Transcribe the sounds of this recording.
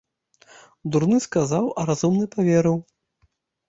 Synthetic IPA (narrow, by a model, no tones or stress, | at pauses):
d̪uɾnɨskazawʔɐɾazumnɨpavʲɛɾɨw